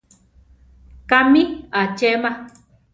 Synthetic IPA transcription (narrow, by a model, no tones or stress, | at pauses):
kamĩat͡ʃemã